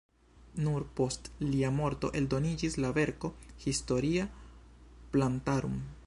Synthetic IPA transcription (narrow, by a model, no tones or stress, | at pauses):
nuɾpo̞stliamo̞ɾto̞̰ʔe̞ldo̞nid͡ʒislave̞ɾko̞histo̞ɾia | plantaɾṵm